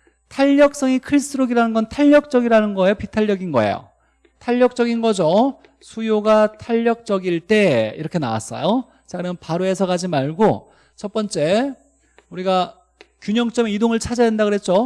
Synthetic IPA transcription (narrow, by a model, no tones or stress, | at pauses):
tʰaʎːʌk̚s͈ʌŋikʰɯɭs͈ɯɾoɡiɾanɯnɡʌntʰaʎːʌk̚t͡ɕ͈ʌɡiɾanɯnɡʌejopitʰaʎːjʌɡinɡʌḛjo̰ | tʰaʎːʌk̚t͡ɕ͈ʌɡinɡʌd͡ʑo | sʰujoɡatʰaʎːʌk̚t͡ɕ͈ʌɡiɭt͈e̞ḭɾʌkʰe̞na̰wa̰s͈ʌ̰jo | t͡ɕanɯnpaɾoe̞sʰʌɡad͡ʑimaɭɡo | t͡ɕʰʌp͈ʌnt͡ɕ͈e̞ | uɾiɡa | kjuɲʌŋt͡ɕ͈ʌmeidoŋɯɭt͡ɕʰad͡ʑaandaɡɯɾɦet̚t͡ɕ͈o